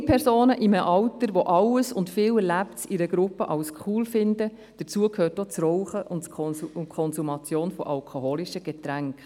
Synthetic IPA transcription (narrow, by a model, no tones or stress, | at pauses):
pʰɛɾsoːnəʔiməʔɑwtəɾʋoʔɑləsʊntfɪːlɛɾlæptsiɾəɡɾʊpːəʔɑlskʰuːlfɪndə | d̥ət͡suəkʰhøːtot͡srɔwχəʔʊnkʰɔnsumɑt͡sjoːnfɔʔɑlkʰoɦoːliʃəɡ̥et̪ɾæŋk